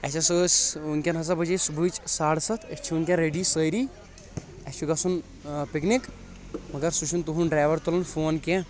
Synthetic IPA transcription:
ɛt͡ʃʰasəsunkʲɐ̃nɦɐs̬ɐbɐd͡ʒesubʱujt͡ʃsaːɽsɐt̪ʰɐt͡ʃʰiunkʲãɾeɖisəjɾi | ɐt͡ʃʰiɡɐsun | piknik | mɐɡɐɾsut͡ʃʰunt̪uɦunɖɾaːʋɐɾt̪ulɐnfoːnkʲɛ̃

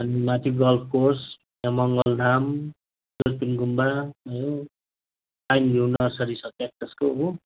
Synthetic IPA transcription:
ʌnimat̪iɡʌlfʰkors | jamʌŋɡʌld̪ʱam | doɾpinɡumbaʌjo | ajndunʌrsʌɾisʌt̪ak̚t̪ʌskou

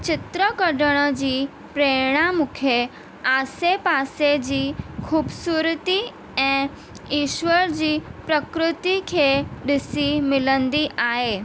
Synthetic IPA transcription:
t͡ɕɪt̪ɾəkɐɽəɽ̃əd͡ʑiː | pɾeːɽ̃amʊkʰe | aːsepaːsed͡ʑiːkʰuːbsuːɾt̪i | ɛ̃ː | iːʃwəɾd͡ʑiːpɾəkɾɪt̪ikʰeːɗɪsimɪlə̃nd̪iʔaːɦeː

